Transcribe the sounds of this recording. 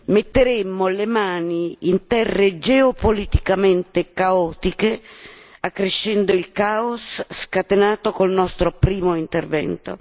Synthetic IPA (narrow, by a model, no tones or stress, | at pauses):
met̪ːeɾɛmːolemaːniint̪ɛrːed͡ʒɛopolit̪ikament̪ekaɔːt̪ike | akːɾeʃːɛnd̪oilkaːosːkat̪enaːt̪okolnɔst̪ɾopɾiːmoint̪ervɛ̰nt̪o̰